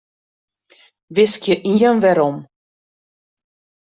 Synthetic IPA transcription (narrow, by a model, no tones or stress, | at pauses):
vɪskjəʔiənvɛɾɔm